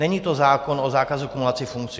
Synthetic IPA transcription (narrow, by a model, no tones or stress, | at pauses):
ɛɲiːt̪ozaːkonozaːkazukumulat͡sɪfuŋk̚t͡sɪ